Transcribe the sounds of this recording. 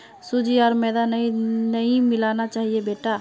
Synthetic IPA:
sud͡ʒiɔːɾmɛːd̪anɐɦĩnəɦĩmɪlaːnat͡ʃaːɦiebeːʈa

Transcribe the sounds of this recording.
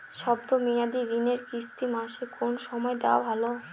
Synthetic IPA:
ʃɔbd̪omiad̪iɾineɾkist̪imaʃekonʃɔmɔed̪ewa̰bʱalo

